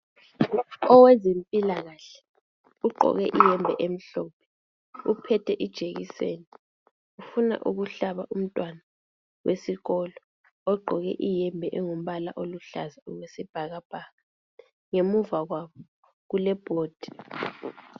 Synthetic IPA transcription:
ɔwezempʼilaɣaɬɛ̥ | uɡ͡ǃʱɔ̰ɣɛ̰ʔijɛmbʱɛʔem̩ɬɔːpʰɛ̥ | upʰɛtʰɛʔid̥ʒ̥ʱeɣisḛːni | ufuna̰ʔṵɣuɬaβaʔum̩tʼwana | wʔesiɣɔlɔ | ɔɡ͡ǃʱɔɣɛ̰ʔijɛmbʱɛʔɛŋum̩βala̰ʔoluɬa̰zaulwesib̥ʱaɣab̥ʱaːɣa | ŋemuvaɣwaβɔ | ɣulɛb̥ʱoːd̥ʱi̥

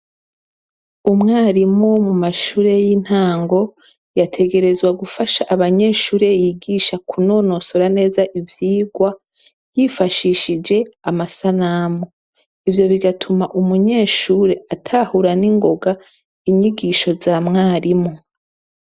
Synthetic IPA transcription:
umŋaːɾimumumaʃuːɾe̞jin̥haːŋɡo̞ | jatʰe̞ɡe̞ɾe̞zwaɡufaʃaʔaβaɲe̞ːʃuːɾe̞jiɡiʃakuno̞ːno̞so̞ɾane̞ːzaʔivjiːɡwa | jifaʃiʃid͡ʒe̞amasanamo | ivjo̞βiɡatʰumaʔumuɲe̞ːʃuːɾe̞ʔatʰahuɾaniŋɡo̞ɡa | iɲiɡiʃo̞zaːmŋaːɾimu

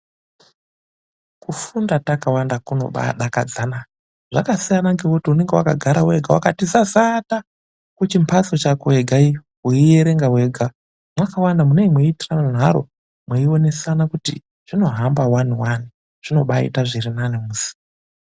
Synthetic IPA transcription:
kufundatakawandakuno̞̰ɓa̰ɗakad͡zana | ʐa̰kasijanaŋɡewotiune̞ŋɡewakaɡʱaɾawe̞ɡʱawa̰katizasata | kut͡ʃimpʰat͡so̞t͡ʃakoeɡʱai | wuijeɾe̞ŋɡawe̞ɡʱa | mwakawandamunemweitiranan̤aɾo̞̰ | mweio̞ne̞sanakutḭ | ʐ̥ino̞ɦambawaniwani | ʐ̥ino̞ɓaḭtaʐirinanemuːsi̥

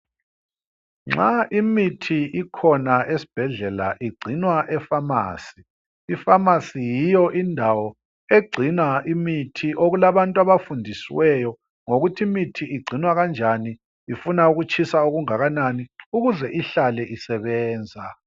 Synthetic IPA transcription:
ŋ͡ǁaʔimitʰiikʰɔnaesi̥b̥ʱɛɮɛla̰ʔiɡ͡ǀʱinwaʔɛfama̰ːsi | ifamasijijɔʔindʱawɔ | eɡ͡ǀʱinaʔimitʰiʔoɣulaβantʼuaβafundʱisiwɛjɔ | ŋoɣutʰimitʰiʔiɡ͡ǀʱinwaɣand͡ʒʱaniː | funauɣut͡ʃʰʼisauɣuŋaɣananiuɣuzɛʔiɬalɛʔisɛβɛːnd͡zʱa

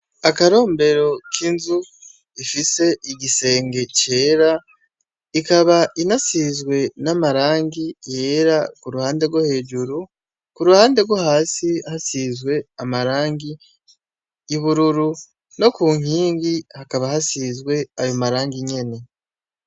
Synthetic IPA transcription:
akaɾo̞ːmbe̞ɾo̞kʰinzu | ifise̞ʔiɟise̞ːŋɡe̞ce̞ːɾa | ikaβaʔinasizɡwe̞namaɾaːŋɡije̞ːɾakuɾuhaːnde̞ɾɡwohe̞ːɟuɾu | kuɾuhaːnde̞ɾɡwohaːsihasiːzɡwe̞amaɾaːŋɡi | iβuɾuɾu | no̞kuːŋ̥iːŋɡihakaβahasizɡwe̞ajo̞maɾaːŋɡiɲe̞ne̞

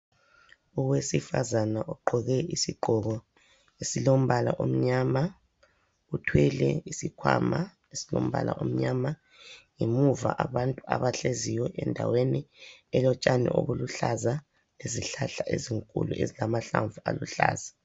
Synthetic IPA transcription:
uwesifazanaʔuǃʱɔɣɛisiɡ͡ǃʱɔɣɔ | esilom̩βala̰ʔom̩ɲama | utʰwɛlɛ̰isikʰwa̰ma | esilo̰m̩βa̰la̰ʔom̩ɲama | ŋemuva̰ʔaβantʼua̰βaɬeziwɛʔɛndʱa̰weniɛlɔt͡ʃʼanɛ̰ʔo̰βuluɬaza | eziɬaɬaʔḛziŋkʼṵlṵʔḛzilamaɬaɱvualuɬa̰ːzḁ

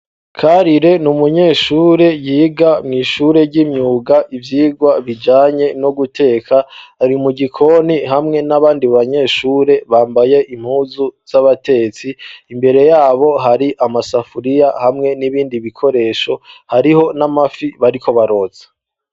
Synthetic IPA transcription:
kʰaɾiɾe̞numuɲe̞ːʃuːɾe̞jiːɡamŋiːʃuɾe̞ɾɟimɲuːɡaʔivjiːɡwaβid͡ʒaːɲe̞noɡutʰe̞ːkʰaaɾimuɡikʰo̞niɦamŋe̞naβaːndiβaɲe̞ːʃuːɾe̞βaːmbaje̞ʔim̥huːzuz̥aβate̞et͡siːmbe̞ɾe̞jaːβo̞ɦaɾiʔamasafuɾijahamŋe̞niβiːndiβikʰo̞ɾe̞ːʃo̞haɾiho̞namafiβaɾikʰo̞βaɾo̞t͡se̥

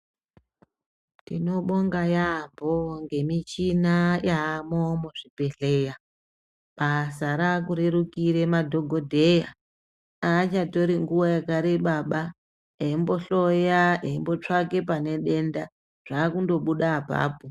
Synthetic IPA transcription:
tḭno̞ɓo̞ŋɡajamboŋɡe̞mit͡ʃinajaːmomuʐipe̞ɬe̞ja | ɓasaɾakuɾeɾukiɾemadʱo̞ɡʱodʱe̞ja | aːt͡ʃato̞ɾiŋɡuwajakaɾeɓaɓa | eimbo̞ɬojaeimbo̞t͡ʂake̞pane̞ɗe̞nda | ʐ̥aːkundo̞ɓuɗapa̰ːpu

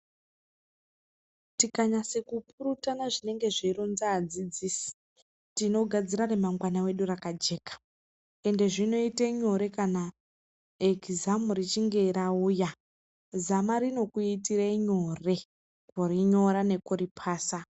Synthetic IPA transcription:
tikaɲase̞kupʰuɾutanaʐine̞ŋɡe̞ʐeiɾonzaːd͡zid͡ziːsi̥ | tino̞ɡʱad͡ziɾaremaŋɡwanawe̞ɗurakad͡ʒe̞ːkḁ | e̞nde̞ʐino̞iteɲo̞ɾe̞kana | ekizamuɾit͡ʃiŋɡe̞iɾauːja | zamaɾino̞kuitireiɲo̞re̞ | koriɲo̞ɾane̞koɾipʰaːsa

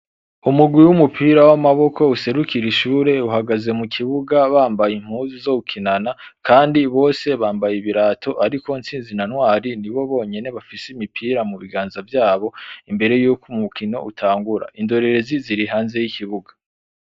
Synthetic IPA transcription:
umuɡwiwumupʰiːɾawamaβo̞kʰo̞use̞ɾukʰiɾiʃuːɾe̞uhaɡaze̞mukʰiβuɡaβaːmbajim̥huːzizo̞ukʰinanakʰaːndiβo̞ːse̞βaːmbajiβiɾaːtʰo̞ʔaɾikʰo̞int͡siːnzinanwaːɾiniβo̞βo̞ːɲe̞ne̞βafiseimipʰiːɾamuβiɡaːnzavjaːβo̞imbe̞ɾe̞juːkumukʰino̞̰ʔutʰaːŋɡuɾa̰ʔindo̞ɾe̞ɾe̞ziziɾiɦaːnze̞jikʰiβuɡa

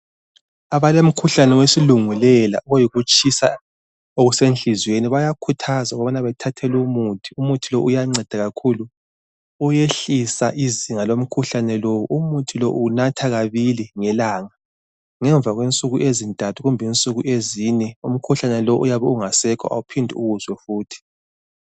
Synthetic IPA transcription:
aβalom̩kʰuɬanɛwesiluŋulɛla̰uɣojiɣut͡ʃʼisa̰ | oɣusenɬizweniβajakʰutʰazaɣɔβanaβɛtʰatʰɛlumutʰi̥umutʰiloʔujaŋ͡ǀɛd̥ʱaɣakʰulu | ujeɬisaʔiziŋalom̩kʰuɬanɛlowuʔumutʰiloʔunatʰaɣaβiliŋɛlaŋa | ŋɛɱb̪vʱaɣwent͡sʼuɣuʔezintʼatʰuɣumbʱint͡sʼuɣuʔezinɛum̩kʰuɬanɛloʔujaβɛuŋasɛkʰɔ̰ʔa̰upʰindʱuṵɣuzwɛfuːtʰi̥

